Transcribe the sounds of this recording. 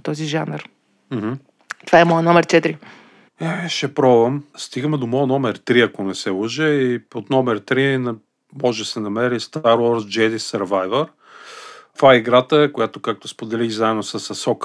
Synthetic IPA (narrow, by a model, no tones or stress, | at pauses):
t̪ɔziʒanəɾ | m̩hm̩ | t̪ovaɛmɔjənɔmɛɾt͡ʃɛt̪ɾi | ɛʃɛpɾɔbvɐmst̪iɡəmɛd̪omɔjnɔmɛɾt̪ɾiɐkonɛsɛləʒɛiot̪nɔmɛɾt̪ɾin | mɔʒɛsɛnɐmɛɾist̪aɾwɔɾsd͡ʒɛd̪isɐɾvajvəɾ | t̪vaɛiɡɾat̪əkojat̪okak̚t̪ospod̪ɛliɣzaɛd̪osɐsɐsɔk